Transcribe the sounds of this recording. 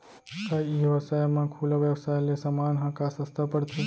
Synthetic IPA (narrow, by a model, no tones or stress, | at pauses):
t̪aiʋəsajmãkʰuləʋjəʋsajlesəmanɦãkasəst̪ʰapəɽt̪ʰu